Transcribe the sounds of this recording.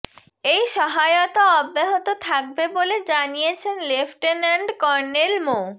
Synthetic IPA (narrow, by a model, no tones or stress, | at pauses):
ejʃɔɦaot̪aɔbːeɦot̪ot̪ʰak̚beboled͡ʑanijet͡ɕʰenlefʈenaɳɖkɔɾnelmo